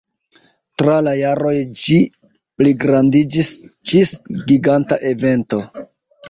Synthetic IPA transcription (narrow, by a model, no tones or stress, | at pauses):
tɾalajaɾo̞jd͡ʒi | pliɡɾandid͡ʒisd͡ʒisɡiɡantaʔe̞ve̞nto̞